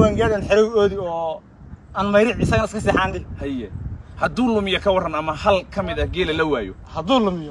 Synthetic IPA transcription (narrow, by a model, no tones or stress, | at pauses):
waːŋɡaːɽɛnħɛɾɐwɔːðiɔː | ɐnmɐjɾɪʕɪsɐɣɐnɐɪskʰɐsɛːħaːndɪhɐjɛhɐd̪uːlʊmɪjɔkʰɐwɑrɐnɐmɐhɐlkʰɐmɪðɐɡɛːlɛlɐwaːjɔ̰hɐðuːlʊmɪjɔ